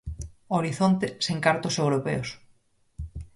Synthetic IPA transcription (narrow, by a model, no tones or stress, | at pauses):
oɾiθont̪eseŋkaɾt̪osewɾopeos